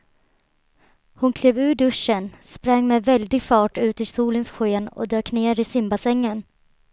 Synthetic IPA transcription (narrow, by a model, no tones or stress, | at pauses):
hʊnkʰleːvʉ̟ːɖɵʂənspɾaŋːmɛvɛld̪ɪɡfɑːʈʉ̟ːt̪ɪsuːlənsɧeːnɔ̰d̪øːkneːɾɪsɪmbasɛŋːən